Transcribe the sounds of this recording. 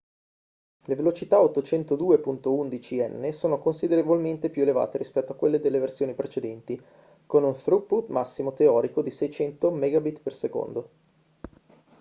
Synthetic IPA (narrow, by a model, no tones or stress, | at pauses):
levelot͡ʃit̪aot̪ːot͡ʃɛnt̪od̪uːepunt̪ound̪it͡ʃiɛnːesoːnokonsid̪eɾevolment̪epjueleva̰ːt̪eɾispɛt̪ːoakːwelːed̪elːeversjoːnipɾet͡ʃed̪ɛnt̪i | konunθɾupːut̪masːimot̪eɔːɾikod̪isɛjt͡ʃɛnt̪omɛɡabit̪perseko̰nd̪o